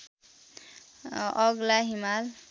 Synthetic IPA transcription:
ʌɡlaɦimal

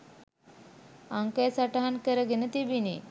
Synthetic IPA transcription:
aŋkajsaʈaɦankəɾəɡenət̪ibini

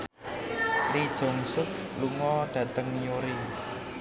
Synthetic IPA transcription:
lid̥ʒ̥ɔ̤ŋsʊk̚ | luŋɔɖ̥ä̤t̪əŋjoɾe

